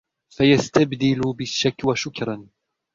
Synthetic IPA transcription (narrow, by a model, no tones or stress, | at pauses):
fajast̪abd̪ɪlʊbɪʃːakːwaʃʊkɾˤɑn